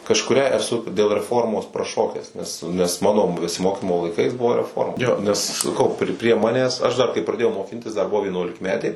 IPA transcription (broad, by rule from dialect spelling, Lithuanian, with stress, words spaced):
kɐʃkʊˈrʲæː ɛˈsʊ dʲeːlˠ rʲɛˈfoːrmoːs prɐˈʃoːkʲæːs nʲɛs nʲɛs ˈmɑːnoː bʲɛsʲɪˈmoːkʲiːmoː lˠɐɪˈkɐɪs ˈbʊʋoː rʲɛˈfoːrmɐ ˈjoː nʲɛs sɐˈkɐʊ pʲrʲɪ pʲrʲiɛ ˈmɑːnʲæːs ˈɐʃ dɐr kɐɪ prɐˈdʲeːjɛʊ moːˈkʲɪnʲtʲɪs dɐr ˈbʊʋoː ʋʲiɛnuɔlʲɪkˈmʲæːtʲeː